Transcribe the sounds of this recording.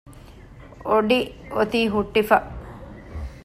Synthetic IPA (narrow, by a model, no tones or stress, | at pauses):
oɖiot̪iːɦuʈːifɐ